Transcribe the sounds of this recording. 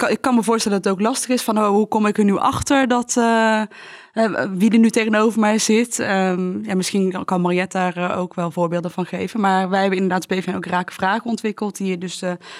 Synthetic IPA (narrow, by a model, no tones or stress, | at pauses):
ɪkːɑnməvʊːɹstɛlədɑtətowklɑstəχɪsfɑnowɦukɔmɪkənyʔɑ̰χtəɹdɑtː | ɦɛʋidəɹnytejχənowvəɹmɛjzɪtəjaːmɪsχinkɑnmarjɛtaːrəo̰wkʋɛlˠvʊːɹbeːlˠdənvɑnχejvənmaːɹʋɛjɦɛbənɪndəɹdaːtbejfɛnowkraːkə̥v̥raːχəɔntʋɪkəlˠtɦiːɹdɵs